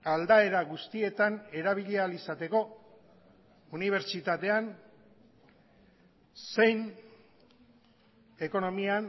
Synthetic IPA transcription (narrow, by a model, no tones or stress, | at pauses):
ald̪ae̞ɾaɣust̪ie̞t̪ane̞ɾaβ̞iʎealisat̪e̞ko̞ | uniβ̞e̞ɾt͡ʃit̪at̪e̞an | se̞jn | e̞ko̞no̞mian